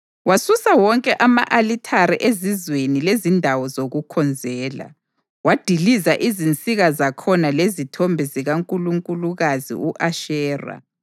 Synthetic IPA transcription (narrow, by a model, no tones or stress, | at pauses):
wasusawɔŋkʼɛʔama̰ʔalitʰaɾiʔezizwenilezindʱawɔzoɣukʰɔnd͡zʱɛːla̰ | wad̥ʱilizaʔizint͡sʼiɣazakʰɔnalezitʰombʱiziɣaŋkʼuluŋkʼuluɣazḭuʔaʃɛːra̰